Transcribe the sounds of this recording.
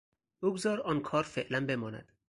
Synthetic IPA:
uːɡzɒːɾɒːnkʰɒːɾfeʔlænbe̞mɒːnæ̰d̪̥

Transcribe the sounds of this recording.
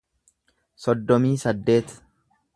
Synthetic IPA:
sɔd̪ːɔmiːsɐd̪ːe̞ːt̪

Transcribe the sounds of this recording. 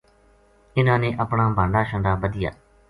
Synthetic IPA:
ɪnãːneːʔəpɳãːbãːɳɖaːʃəɳɖaːbəd̪ɪja̰ː

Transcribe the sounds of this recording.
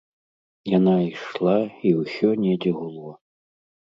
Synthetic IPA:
janaiʂlˠaiwsʲɔnʲɛd͡zʲɛɣulˠɔ

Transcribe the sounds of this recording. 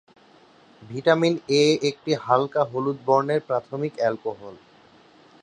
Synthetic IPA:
bʱiʈamineek̚ʈiɦalkaɦolud̪̚boɾneɾpɾat̪ʰomikɛlkoɦol

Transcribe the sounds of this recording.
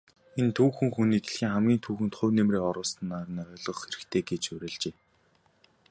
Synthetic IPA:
ent̪ʰuːxɘ̆ŋxuniːk̪e̥ɮxiːŋχæmɡʲiːnt̪ʰuːxɘ̆nt̪χʊ̟wnemreːɔɾʊːst̪ə̆nːaːr̆niœːɮɞ̆χxeɾɘ̆xt̪ʰeːɡet͡ɕʊɾʲĕːɮt͡ɕeː

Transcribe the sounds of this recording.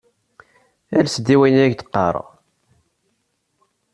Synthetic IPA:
ælsd̪ːiwæjnæʝd̪ə̥qːɑ̰ɾˤ

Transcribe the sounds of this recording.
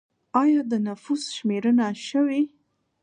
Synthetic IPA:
ɑjɑd̪ənafusʃmeɾənaʃəwi

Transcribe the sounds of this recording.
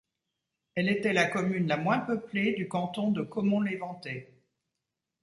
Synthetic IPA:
ɛlet̪ɛlakɔmynlamwɛ̃pəpled̪ykɑ̃t̪ɔ̃d̪əkɔmɔ̃levɑ̃t̪ɛ

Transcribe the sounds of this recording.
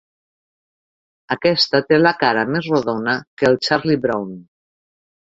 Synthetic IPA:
əkɛst̪ət̪eləkaɾəmezroðonəkəlˠt͡ʃaɾlibɾown

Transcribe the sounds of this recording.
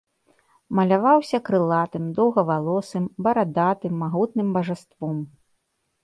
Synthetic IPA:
mɐlʲavawsʲɐkɾɨlˠat̪ɨmd̪ɔwɣɐvalˠɔsɨmbɐɾad̪at̪ɨmːaɣut̪̚nɨmbɐʐɛst̪vɔm

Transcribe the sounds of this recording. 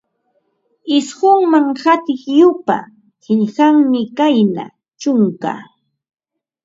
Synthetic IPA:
ɪsɢʊŋmaŋhat̪ɪχjʊpa̰ | hɪʎɢaŋmɪkajna̰ | t͡ʃʊŋka̰

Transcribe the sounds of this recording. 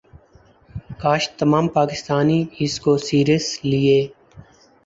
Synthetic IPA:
kaːʃt̪əmaːmpaːkɪst̪aːniɪskosiːɾəslieː

